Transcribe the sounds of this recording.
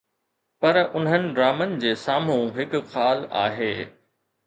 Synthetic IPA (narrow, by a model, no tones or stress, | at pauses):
pɐɾʊn̤ɦənɪ̆ɖɾaːmənɪ̆d͡ʑeːsaːm̤ũɦɪkxaːla̰ːɦeː